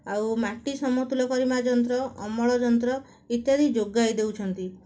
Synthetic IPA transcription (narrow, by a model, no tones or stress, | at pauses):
awmaʈisɔmɔt̪ulɔkɔɾimad͡ʒɔnt̪ɾɔʔɔmɔɭɔd͡ʒɔnt̪ɾɔ | it̪jad̪ʱid͡ʒoɡajd̪ewt͡ʃʰɔnt̪i